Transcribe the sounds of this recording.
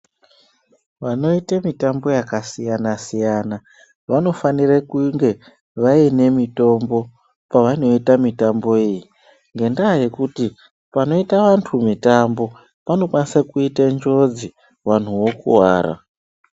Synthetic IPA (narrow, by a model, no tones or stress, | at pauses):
ʋano̞itemitambo̞jakasijanasijana | ʋano̞fanirekuŋɡe̞ | ʋaine̞mito̞mbo̞ | paʋano̞itamitambo̞iji | ŋɡe̞ndaːje̞kuti | pano̞itaʋantʰumitambo̞ | pano̞kwanisakuitend͡ʒo̞d͡zi | wan̤uwo̞kṵwa̰ːra̰